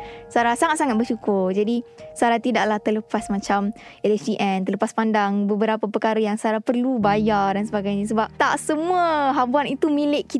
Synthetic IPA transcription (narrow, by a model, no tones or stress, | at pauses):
saɾasaŋat̪̚saŋat̪̚bərʃukʊrd͡ʒadisaɾat̪idaʔlaht̪ələpasmãt͡ʃamelɛsiʔɛnt̪ələpaspandaŋbəbəɾapəpəkaɾəjaŋsaɾapərlubajardansəbaɡajɲas̬əbap̚t̪aʔsəmuəɦabuanit̪umĩlɪʔki